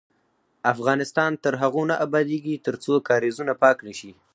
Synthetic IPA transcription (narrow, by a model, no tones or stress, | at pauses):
afɣɑnɪst̪ɑnt̪əɾɦaɣonaʔabɑd̪eɡit̪əɾt͡sokɑɾezunapɑknəʃi